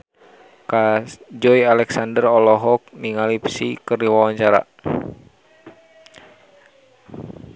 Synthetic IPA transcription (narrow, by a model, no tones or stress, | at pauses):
kad͡ʒɔialɛksandərɔlɔɦɔk̚niŋalipsikərdiwawaɲt͡ʃaɾa̰